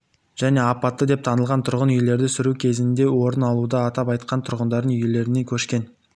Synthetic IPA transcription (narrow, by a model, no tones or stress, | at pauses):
ʒ̥æne̞ɑpɑt̪ːəd̪e̞p̚t̪ʰɑnəlˠʁɑnt̪ʰʊɾʁənʏjle̞ɾd̪ɪsʏɾukʲʰe̞zɪnd̪e̞wo̞ɾənɑlˠud̪əɑt̪ɑpɑjt̪qɑnt̪ʰʊɾʁənd̪ɑɾd̪ənʏjle̞ɾɪne̞kʲʰɵʃkʲe̞n